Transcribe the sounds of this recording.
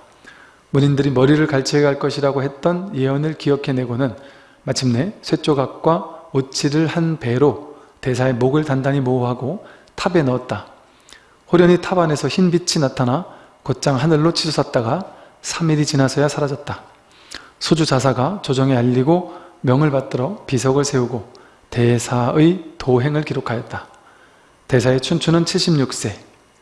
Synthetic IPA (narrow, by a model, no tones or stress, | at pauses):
muɲindɯɾimʌɾiɾɯɭkaɭt͡ɕʰiɡeɦaɭk͈ʌɕʰiɾaɡoɦet̚t͈ʌnjeʌnɯɭkiʌkʰe̞ne̞ɡonɯn | mat͡ɕʰɯmne̞sʰwe̞t͡ɕ͈oɡak̚k͈waot͡ɕʰiɾɯɭhanpe̞ɾo | te̞sʰae̞moɡɯɭtandaɲimoɦaɡo | tʰabe̞nʌːt̚t͈a | hoɾjʌɲitʰabane̞sʰʌçinbit͡ɕʰinatʰana | kot̚t͡ɕ͈aŋɦanɯɭːot͡ɕʰid͡ʑʰosʰat̚t͈aɡa | sʰamiɾit͡ɕinasʰʌjasʰaɾad͡ʑʌt̚t͈ḁ | sʰod͡ʑud͡ʑas̬ʰaɡat͡ɕod͡ʑʌŋeaʎːiɡomjʌŋɯɭpat̚t͈ɯɾʌpisʰʌɡɯɭsʰe̞uɡo | te̞sʰaɯitoɦe̞ŋɯɭkiɾokʰajʌt̚t͈a | te̞sʰae̞t͡ɕʰunt͡ɕʰunɯnt͡ɕʰiɭɕ͈imɲuk̚s͈e̞